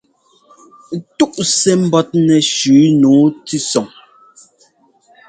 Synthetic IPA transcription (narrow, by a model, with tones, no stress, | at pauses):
tu˦ʔsɛ˨m̩˦bɔ˦t̚nɛ˨ʃʉː˨˦nuː˨˦ti˦sɔ˨ŋ